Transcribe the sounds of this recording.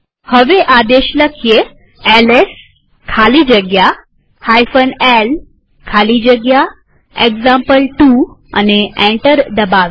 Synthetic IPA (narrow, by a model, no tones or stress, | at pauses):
həʋeʔad̪eɕləkʰje | ɛles | kʰaliːd͡ʑəɡja | hajfənel | kʰaliːd͡ʑəɡja | ekzampəlʈua̰neɛ̃ɳʈəɾd̪əbaʋ